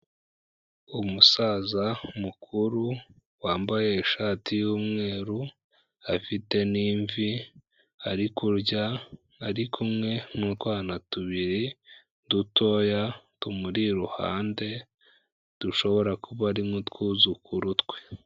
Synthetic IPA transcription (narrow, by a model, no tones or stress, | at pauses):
umusazamukʰuɾu | waːmbajeːʃaːtijuːmŋe̞ːɾu | afite̞niːɱvi | aɾikuɾɟaː | ɾikʰumŋe̞mutwaːnatuβiɾi | duto̞jatumuɾiɾuha̰ːnde̞ | d̥uʃo̞βo̞ɾakuβaɾimŋotwuːzukuɾutwe